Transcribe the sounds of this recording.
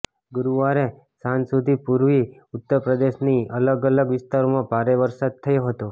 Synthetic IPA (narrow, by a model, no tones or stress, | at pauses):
ɡuɾuʋaɾe | sãnsud̪ʱipuɾʋiʊt̪ːəɾpɾəd̪eʃniələɡələɡʋɪst̪aɾomãbʱaɾeʋəɾsad̪̚t̪ʰəjoɦət̪o